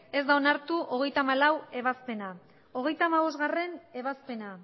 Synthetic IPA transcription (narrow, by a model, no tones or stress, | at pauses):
e̞zd̪aonaɾt̪uʔo̞ɣ̞e̞jt̪amalawe̞β̞aspe̞na | o̞ɣ̞e̞jt̪aːmaβ̞o̞zɣare̞ne̞β̞aspe̞na